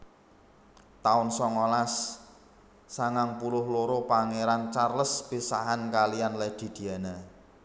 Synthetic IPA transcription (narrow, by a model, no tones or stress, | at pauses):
t̪aʊnsɔŋolas | aŋaŋpulʊhloɾopaŋeɾant͡ʃarləsb̥isaɦankalijanlɛd̪̥i̤d̪̥i̤ane